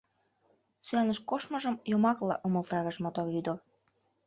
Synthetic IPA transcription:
syænə̆ʃkoʃmɤ̆ʒəmjomɑklɑ̰ʔoməlt̪ɑɾə̆ʃmot̪oryd̪or

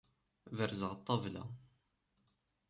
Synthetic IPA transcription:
vəɾzəʁt̪ˤːɑvla̰

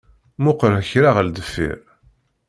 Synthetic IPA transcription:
mʊqɾəçɾaʁəld̪əfːḭɾ

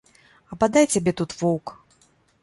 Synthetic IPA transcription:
ɐbad̪ajt͡sʲabʲɛt̪ut̪vɔwk

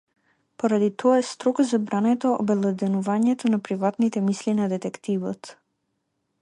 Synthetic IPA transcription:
pɔɾad̪it̪ʰɔaɛst̪ɾɔkzabɾanɛt̪ɔɔ̰bɛlˠɛd̪ɛnuvaɲɛt̪ɔnapɾivat̪nit̪ɛmislinad̪ɛt̪ɛkt̪ivɔ̰t̪

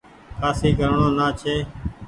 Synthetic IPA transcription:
kʰaːsiːkəɾɳõːnaːt͡ʃʰeː

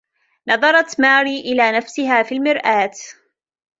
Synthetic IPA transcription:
nɑðˤɑɾˤɑt̪maːɾiːʔɪlaːnafsɪɦaːfiːlmɪɾʔaːt̪

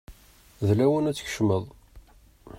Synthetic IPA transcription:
ðlæwənæt͡sːə̥çə̥ʃməðˤ

